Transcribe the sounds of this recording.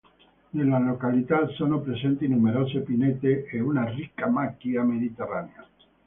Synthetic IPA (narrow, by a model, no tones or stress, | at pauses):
d̪elalokalit̪aðsonopɾe̞sent̪inumeɾosepinet̪eʔeunarikamakiame̞ðit̪eranea